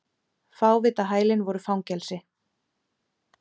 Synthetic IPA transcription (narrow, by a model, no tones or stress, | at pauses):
faːwvɪːt̪aɦaːjlɪnvɔɾʏfawŋcɛlsɪ